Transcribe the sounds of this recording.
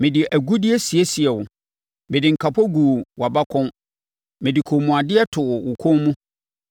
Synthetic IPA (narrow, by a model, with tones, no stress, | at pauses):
mɪ̃˨dɪ˨ʔæ˨ɡu˦dɪ˦ɛ˦si˨e˦si˨ɛ˨wʊ˨ | mɪ̃˨dɪ˨ŋ̩˨kʰa˨pʰɔ˦ɡuː˨wa˨ba˦kʰʊ̃˦n | mɪ̃˨dɪ˨kʰo˨mũ˨a˨dɪ˦ɛ˦tʰʊ˨ʊ˨wʊ˨kʰʊ̃˦mũ˦